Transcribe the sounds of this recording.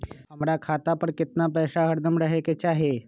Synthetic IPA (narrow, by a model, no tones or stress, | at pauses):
ɦəmɽjakʰat̪apəɳkit̪napəjsaɦəɽd̪əmɽəɦeket͡ɕaɦe